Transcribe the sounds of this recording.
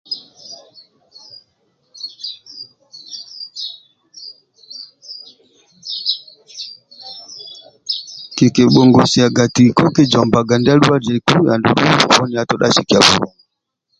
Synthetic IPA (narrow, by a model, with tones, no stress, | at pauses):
ke˨ke˨ɓɔ˨ŋɡɔ˨si˨a˨ɡa˨ti˨kɔ˦kɛ˦d͡ʒɔ˨mba˨ɡa˨nda˦lu˦a˦d͡ʒɛ˨ku˦ja˨ndṵ˦ɗu˦ṵ˨bɔ˦ni˨a˦˨tɔ˦ɗa˦ʃi˨ki˨a˨vṵ˨wa˨